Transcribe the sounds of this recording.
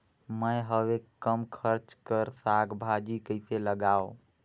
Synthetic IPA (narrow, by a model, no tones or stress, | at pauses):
məjɦəʋekəmkʰəɾt͡ʃkəɾsaɡbʱad͡ʒikəɪseləɡao